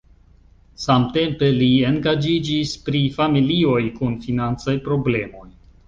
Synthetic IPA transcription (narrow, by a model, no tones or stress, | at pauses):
samte̞mpe̞lie̞ŋɡad͡ʒid͡ʒispɾifamilio̞jkunfinant͡sajpɾo̞ble̞mo̞j